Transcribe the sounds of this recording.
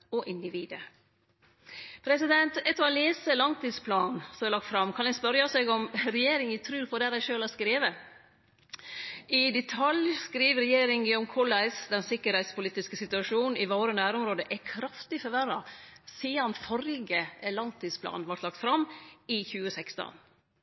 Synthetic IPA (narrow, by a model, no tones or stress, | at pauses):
ɔʔɪnd̪ɪʋiːd̪ə | pʰɾɛsɪd̪ɛnt̪ɛt̪ːɔleːsəlɑŋt̪iːspʰlɑːnsɔmɛɾlɑk̚t̪fɾɑmkʰɑnɛspœɾjɑsɛɡɔmɾɛjeːɾɪŋɪt̪ʰɾʉːpʰɔd̪æɾæɪʃøːlɑskɾeːʋə | ɪd̪ɛt̪ʰɑljskɾiːʋɾɛjeːɾɪŋɪːɔmkʰɔlæɪsd̪ɛnsɪkːəɾhɛɪt̪spʊliːt̪ɪskəsɪt̪ʉɑʂuːnn̩ɪʋoːɾənæːɾɔmɾoːd̪əʔɛkʰɾɑft̪ɪfɔʋæɾɑsiːɑnfɔɾɡəlɑŋt̪ʰiːd̪spʰlɑ̰ːnʋɑɾʈ̪lɑk̚t̪fɾɑmːɪçʉːəsɛkst̪ɔ̰n